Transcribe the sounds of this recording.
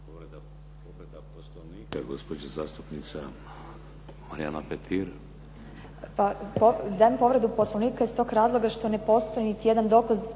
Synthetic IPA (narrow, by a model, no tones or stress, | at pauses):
pɾd̪ | oɾed̪aposlonikaɡospod͡ʒezaːst̪upnit̪sa | maɾia̰napet̪ʰiɾ | papod̪ampo̞ʋɾe̞d̪uposlˠoʋniːkaist̪o̞ːɡɾaːzlˠo̞ɡaʃt̪o̞nepo̞st̪ojinit̪ijed̪and̪o̞ːkaz